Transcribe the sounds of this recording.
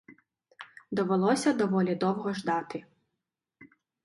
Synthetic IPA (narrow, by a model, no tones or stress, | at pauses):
d̪ɔʋɛlˠɔsʲɐd̪ɔʋɔlʲid̪ɔwɣɔʐd̪at̪ɪ